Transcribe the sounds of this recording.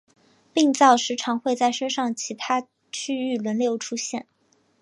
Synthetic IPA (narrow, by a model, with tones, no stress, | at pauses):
pi˥˧ŋt͡sɑ˥˩ʊʂɻ̩˧˥ʈ͡ʂʰɑ˧˥ŋxwe˥˧ɪt͡sa˥˩ɪʂə˥nʂɑ˥˩ŋt͡ɕʰi˧˥t̪ʰa˥ | t͡ɕʰy˥˧y˥˩lwə˧˥nljo˧˥ʊʈ͡ʂʰu˥ɕjɛ˥˩n